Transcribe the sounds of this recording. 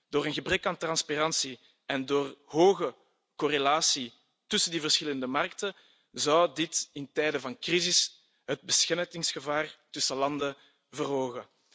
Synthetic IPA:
d̥oːɾənɣəbrɛkaːntrɑnsparɑnsi | ɛndoːrɦoːɣə | korelaːsi | tʏsəndivərsxɪləndəmɑrk̚tə | zɑwdɪtɪntɛːdəvɑnkrizɪs | ɦəd̚bəsxɛrtɪŋsxəvaːrtʏsəlɑndə | vərɦoːɣə

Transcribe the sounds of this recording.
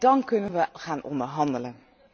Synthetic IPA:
dɑnkɵnənʋəχaːnʔɔ̰ndəɹɦɑndələn

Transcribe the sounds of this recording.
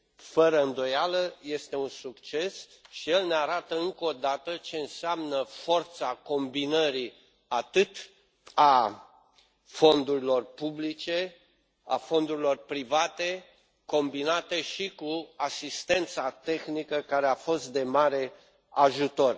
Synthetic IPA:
fəɾəɨnd̪o̞jaləje̞st̪e̞unsukt͡ʃe̞sʃije̞lneaɾat̪əɨŋkod̪at̪ət͡ʃe̞ɨnseamnəfo̞rt̪sako̞mbinəɾi | at̪ɨt̪ | a | fo̞nd̪uɾilo̞rpublit͡ʃe̞ | a̰fo̞nd̪uɾilo̞rpɾivat̪e̞ | ko̞mbinat̪e̞ʃikuasist̪e̞nt̪sat̪e̞xnikəkaɾe̞afo̞st̪̚d̪e̞maɾe̞ | aʒut̪o̞r

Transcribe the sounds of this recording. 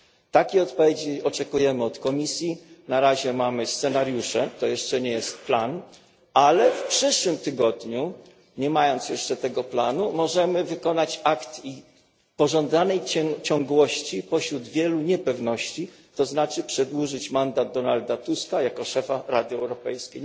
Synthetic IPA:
t̪akʲiɔt̪pɔvʲjed͡ʑiɔt͡ʂɛkujɛmɘɔt̪kɔmʲisʲjinaɾaʑɛmamɘst̪sɛnaɾjuʂɛt̪ɔjɛʂt͡ʂɛɲɛjɛst̪̚plan | alɛfpʂɘʂwɘmt̪ɘɡɔd̪ɲu | ɲɛmajɔnt̪sjɛʂt͡ʂɛt̪ɛɡɔplanumɔʐɛmɘvɘkɔnat͡ɕakt̪i | pɔʐɔnd̪anɛjt͡ɕɔŋɡwɔɕt͡ɕipɔɕɾud̪vʲjɛluɲɛpɛvnɔɕt͡ɕi | t̪ɔznat͡ʂɘpʂɛd̪wuʐɘt͡ɕmand̪ad̪̚d̪ɔnald̪at̪uskajakɔʂɛfaɾad̪ɛwɾɔpɛjskʲej

